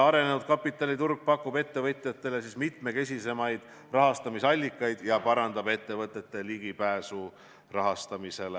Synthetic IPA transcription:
ɑɾe̞ne̞nud̪̚kɑpːˑit̪ːˑɑlʲit̪urɡ̥̚pɑkːub̥e̞t̪ːe̞vɤ̞t̪ʲˑjɑt̪ːe̞le̞sismit̪me̞ke̞s̬ʲise̞mɑjd̪̥ | rɑɦɑst̪ɑmisɑlʲːikːˑɑjd̪̥jɑpɑɾɑnd̪ɑbe̞t̪ːe̞vɤt̪ːˑe̞t̪ːe̞liɡ̥ipæːsu | rɑɦɑst̪ɑmise̞le

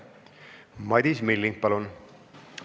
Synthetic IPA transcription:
mɑd̪ismilːiŋk̚pɑlun

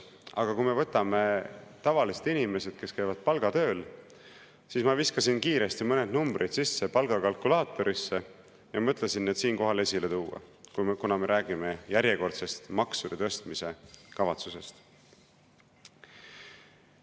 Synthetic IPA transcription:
ɑ̰ɡ̥ɑkujme̞vɤt̪ːˑɑme̞t̪ɑvɑliset̪inʲimese̞d̪̥̚ke̞skæjvɑd̪̥̚pɑlɡ̥ɑt̪ø̞ːl | sismɑviskɑsinkiːɾe̞st̪imɤne̞d̪numbɾʔid̪sisːe̞pɑlɡ̥ɑkɑlkulɑːt̪ːˑo̞ɾʔisːe̞ | jɑmt̪ːˑlesinːet̪siːnko̞ɦɑle̞sile̞t̪uːɑ̰kunɑme̞ɾʔæːɡ̥ime̞jæɾjeko̞rt̪se̞st̪mɑksud̪̥et̪ɤ̞st̪mise̞kɑvɑt̪suse̞st̪

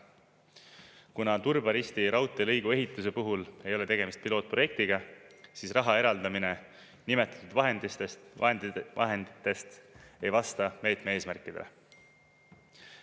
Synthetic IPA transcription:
kunɑt̪urbɑɾist̪iɾɑwt̪ːˑelɤjɡ̥ue̞ɦit̪ːˑus̬e̞puɦule̞jo̞le̞t̪e̞ɡ̥e̞mist̪̚pilo̞ːt̪̚pro̞je̞k̚t̪iɡ̥ɑsisrɑɦɑe̞ɾɑld̪̥ɑmine̞ | nime̞t̪ːˑɑ̥t̪ːˑud̪vɑɦend̪it̪ed̪ʔɑ̰ɦend̪it̪ːˑe̞st̪e̞jvɑst̪ɑme̞ːt̪mee̞ːsmærkːˑid̪̥e̞lḛ

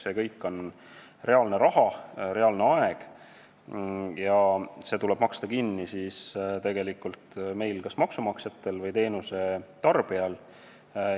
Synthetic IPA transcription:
se̞kɤ̞jkːˑo̞n | re̞ɑlne̞ɾɑɦɑɾe̞ɑlne̞ɑe̞ɡ̥ | jɑse̞ːt̪ule̞b̥mɑkst̪ɑkinːisist̪e̞ɡ̥e̞likːˑult̪me̞jlkɑsmɑksumɑkset̪ːˑe̞lvɤjt̪e̞ːnuse̞t̪ɑrb̥iɑl

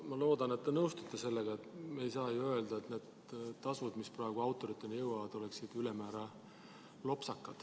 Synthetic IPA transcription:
mɑlo̞ːd̪ɑne̞t̪ːenɤwst̪ut̪ˑːese̞lːeɡ̥ɑet̪meejsɑːjuø̞ld̪ɑet̪ne̞ːd̪̥ | t̪ɑsvud̪misproeɡ̥uɑwt̪ːˑo̞ɾit̪ːˑenjɤwɑvɑd̪̥o̞leksid̪ylemæːɾɑ | lo̞psɑkːˑɑd̪̥

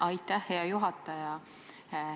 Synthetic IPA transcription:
ʔɑjt̪ːæhːe̞ɑjuɦɑt̪ːˑɑjɑ

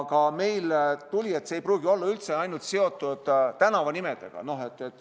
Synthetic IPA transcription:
ɡ̥ɑme̞jlt̪ulʲie̞t̪ːsejpruːɡ̥io̞lːɑylt̪se̞ɑjnult̪se̞o̞t̪ːˑud̪̥t̪ænɑvɑnimed̪̥e̞̰ɡ̥ɑ̰no̞ɦe̞t̪ːˑet̪ː

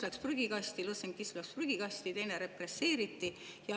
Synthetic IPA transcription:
lækspryɡ̥ikɑst̪iloseŋkːislækspryɡ̥ikɑsʲt̪it̪e̞jneɾe̞prese̞ːɾit̪ːi | jɑ

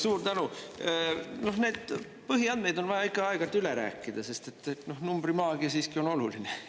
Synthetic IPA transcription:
suːrt̪ænu | no̞hne̞ːd̪̥̚ | pɤɦiɑnd̪me̞jd̪o̞nvɑjɑikːˑɑɑeɡ̥ɑlt̪yleɾæ̰ːkˑːid̪̥ɑse̞st̪e̞t̪ːno̞hnumb̥rimɑːɡ̥iɑsiːskio̞no̞luline

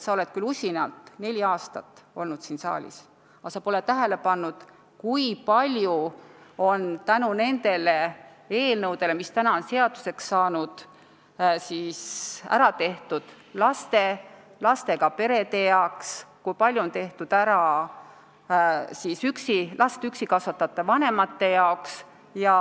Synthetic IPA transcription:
sɑo̞le̞t̪̚kylusʲinɑlt̪ˑne̞lʲiɑːst̪ɑt̪ːˑo̞̰lnud̪siːnsɑ̰ːlʲḭs | ɑsɑpo̞let̪ːæɦe̞le̞pɑnːud̪̥ | kujpɑlʲjuo̞nt̪ænune̞nd̪e̞le̞ | e̞ːlnɤwd̪̥e̞le̞mist̪ænɑonseɑd̪̥use̞ksːɑːnud̪̥ | sisæ̰ɾɑt̪e̞ht̪ud̪̥ | lɑst̪e̞ | lɑst̪e̞ɡ̥ɑpe̞ɾe̞t̪e̞jɑkskujpɑlʲjuont̪e̞ht̪ud̪̥æɾɑ | siːsyksilʔɑst̪yksikɑsʋɑt̪ːˑɑt̪ːˑɑvɑne̞mɑt̪ːe̞jɑoks | jɑ

